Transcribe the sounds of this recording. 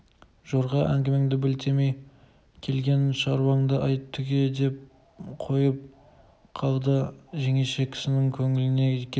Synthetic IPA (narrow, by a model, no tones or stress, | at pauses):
ʒ̥o̞ɾʁɑʔæŋɡʲɪmeŋd̪ɪbɪlt̪ʰe̞me̞j | kʲʰe̞lɡʲe̞nʃɑɾwɑɴd̪əʔɑjt̪ʰːʏɡʲed̪e̞p̚ | qʰo̞jəp̚ | qʰɑlˠd̪əʒe̞ŋe̞ʃe̞kʲʰɪ̥sɪnɪŋkʲʰɵŋɪlɪne̞kʲʰ